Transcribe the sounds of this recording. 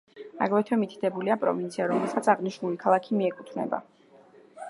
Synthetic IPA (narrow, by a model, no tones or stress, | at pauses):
a̰ɡlɛt̪ʰwɛmit̪ʰi̥d̪ʰɛbuliapʼɾɔ̰vint̪sʰiaɾɔmɛlˠsat̪sʰaʁniʃnulikʰalˠakʰimiɛkʼut̪ʰnɛ̰ba̰